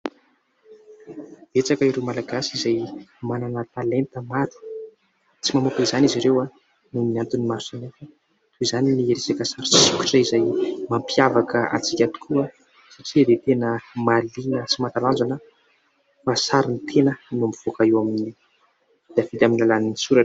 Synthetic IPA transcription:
et͡sakaiɾewmalaɡasizajmananat̪alent̪əmat̪i̥ | t͡simamukizaniziɾewa | numinant̪unimaɾusanefə | t̪uizaninieɾesakəsaɾit͡sisikʲu̥ʈ͡ʂaizajmampjavakəa̰t͡si̥kʲat̪u̥kʰuə | saʈ͡ʂid̪et̪enəmalinət͡simat̪aland͡zanə | fasaɾinit̪ʰenənamiv̥okaewamini | d̪̥afid̪aminilalaninisuɾa

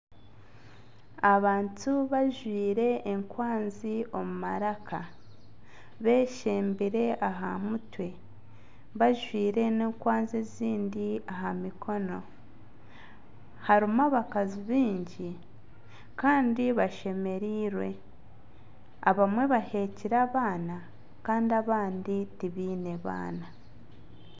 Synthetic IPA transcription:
aβaːntuβaʒwiːɾe̞ːŋkwaːnzio̞mumaɾakʰa | βe̞ːʃeːmbiɾe̞ʔaɦamutwe̞ | βaʒwiːɾe̞neːŋkwaːnzeziːndiaɦamikʰo̞no̞ | haɾimaβakaziβiːɲɟi | kaːndiβaʃe̞me̞ɾiːɾwe̞ | aβamwe̞βahe̞ciɾaːβaːna | kaːndiaβaːnditiβiːne̞βa̰ːna

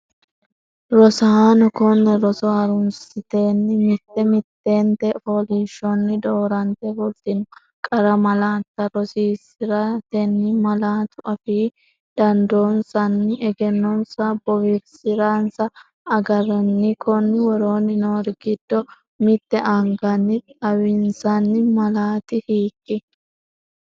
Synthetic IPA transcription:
ɾɔsɐanɔkɔnːɛɾɔsɔhɐɾʊnsɪt̪e̞ːnːɪmɪt̪ːɛmɪt̪ːe̞ːnt̪ɛfoliːʃɔnːɪd̪oːɾɐnt̪ɛfʊlt̪ɪnʊ | kʼɐɾɐmɐlaːt̪ːɐɾɔsiːsɪɾat̪ɛnːɪmɐlaːt̪ʊʔɐfiː | d̪̥ɐnd̪oːnsɐnːɪʔɛɡɛnːɔnsɐbɔwɪɾsɪɾansɐː | ɡɐɾɐnːɪkʰɔnːɪwɔɾo̞ːnɪnoːɾɡɪd̪̥ːɔ | mɪt̪ːɛʔɐŋɡɐnːɪtʼɐwɪnsɐnːɪmɐlaːt̪ɪhiːkʼːɪ

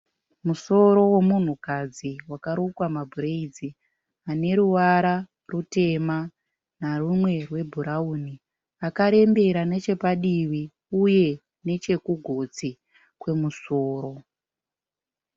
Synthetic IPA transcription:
muso̞ɾo̞we̞mun̤ukad͡ziwakaɾukwamabʱuɾeid͡zi | ane̞ɾuʋaɾa | rute̞ma | narumwe̞rwe̞bʱuɾauni | akaɾe̞mbe̞ɾanet͡ʃe̞paɗiwi | uje̞ | ne̞t͡ʃe̞kuɡʱo̞d͡zi | kwe̞muso̞ːɾo̞

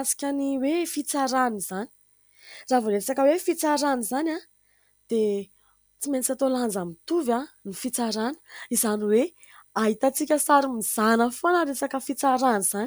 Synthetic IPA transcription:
asi̥kʲaniwefit͡saɾaniz̥ani̥ | ravoɾesakəwefit͡saɾanizana | d̪̥e | t͡siment͡sat̪oland͡zamit̪uvanifit͡saɾanə̥izaniwe | aɦit̪at͡sikʲəsaɾimiz̥anəfonaɾesakəfit͡saɾaniz̥an

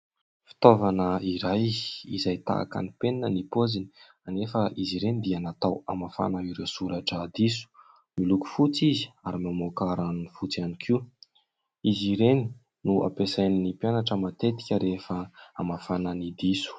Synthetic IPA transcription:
fi̥t̪ovanəiɾajḭzajt̪a̰a̰ka̰nipeninənipozini̥ | anefəʔiziɾenid̪ianat̪awamafa̰naiɾewsuɾaʈ͡ʂad̪isu̥ | miluku̥fut͡sizi̥aɾimamokaɾanifut͡sianikʰiu | iziɾeni̥ | nuʔa̰pesajninipjanaʈ͡ʂəmat̪et̪i̥kʲəɾefəamafananid̪isu̥

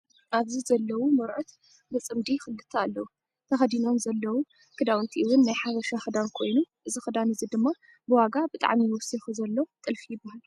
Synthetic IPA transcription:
aβzizɐlːɐwumɨɾʕut̪ | bɨt͡sʼɨmd̪ixɨlːɨt̪ʰːaalːɐwu | t̪ʰɐxɐd̪ino̞mzɐlːɐwu | kʰɨd̪awɨnt̪ʰiʔɨwʊnːajħaβɐʃaxɨd̪ankʰo̞jnuʔɨzixɨd̪anɨzid̪ɨmːa | bɨwaɡabɨt̪ʼa̰ʕmijwʊsixɨzɐlːɐt̪ʼɨlfijɪbːahal

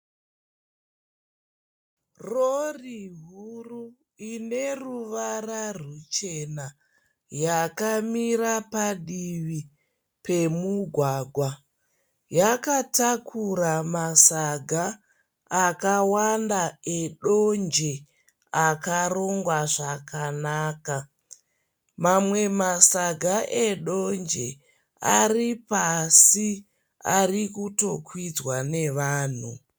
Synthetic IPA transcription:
roriɦuru | ine̞ruʋararut͡ʃe̞na | jakamiɾapaɗiʋi | pe̞muɡʱwaːɡʱwa | jakatakʰuramasaɡʱaː | kawandaeɗond͡ʒe | akaro̞ŋɡwaʐakanaːka | mamwe̞masaɡʱaʔeɗo̞nd͡ʒe | a̰ripasi | a̰rikuto̞kwid͡zwane̞ʋaːn̤u

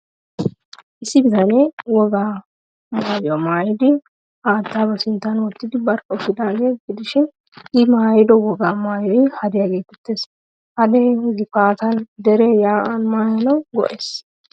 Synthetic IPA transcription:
ʔɪsːɪbɪzɐneːwɔɡaː | maːjjɔmaːjɪd̪ɪ | ʔaːt̪ːaːbɛsɪnt̪ːɐnwɔt̪ːɪd̪ɪbɐɾʔɐɔfɪd̪aːɡeːɡɪd̪ɪʃɪn | ɪmaːjɪd̪ɔwɔɡaːmaːjɔjɪhɐd̪ɛjaɡeːt̪ʊ̥t̪ːeːs | hɐd̪eɡɪfaːt̪ɐnd̪ɛɾeːjaːʔɐnmaːjɐnɐwɡɔ̰ʔeːs

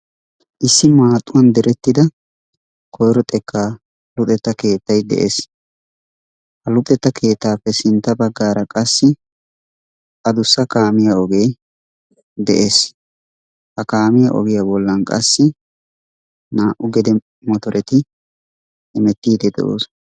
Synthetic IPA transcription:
ʔɪsːɪmaːt̪ʼːʊwɐnd̪ɛɾɛt̪ːɪd̪ɐ | kʰɔjɾɔt̪ʼɛkːaː | lʊt̪ʼɛt̪ːɐke̞ːt̪ːɐjd̪ɛ̰ʔḛːs | hɐlʊt̪ʼɛt̪ːɐkʰe̞ːt̪ːaːpːɛsɪnt̪ːɐbɐɡːaːɾɐkʼɐsːɪ | ʔɐd̪ʊsːɐkaːmɪjɐɔɡej | d̪ɛ̰ʔeːs | hɐkaːmɪjɐʔɔ̰ɡɪjɐbɔlːɐnkʼɐ̰sːɪ | naːʔʊɡɛd̪ɛ | mɔt̪ɔɾʔɛt̪ɪ | ɛmɛt̪ːiːd̪ɛd̪ɛ̰ʔo̰ːs

